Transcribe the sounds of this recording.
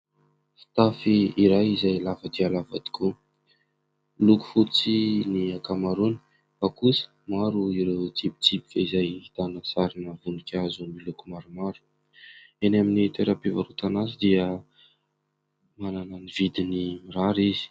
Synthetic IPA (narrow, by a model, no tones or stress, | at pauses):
fi̥t̪afiiɾajizajlavəd̪ialavad̪̥i̥ku | luku̥fut͡siniakamaɾuni̥ | fakusə̥maɾuiɾewt͡sipi̥t͡sipi̥kʲəizajit̪anəsaɾinəvunikʲazumilukumaɾumaɾu̥ | enaminit̪eɾəpivaɾut̪anazid̪iə | mananənivid̪inimiɾaɾizi̥